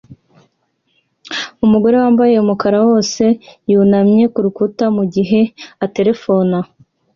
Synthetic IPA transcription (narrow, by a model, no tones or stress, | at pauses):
umuɡo̞ɾe̞waːmbaje̞umukaɾawo̞ːse̞juːnamɲe̞kuɾukutamuɟiɦe̞ate̞ɾe̞fo̞na